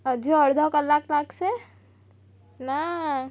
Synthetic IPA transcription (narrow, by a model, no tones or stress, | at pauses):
əd͡ʒoəɾd̪ʱɔkəlːaklakse | na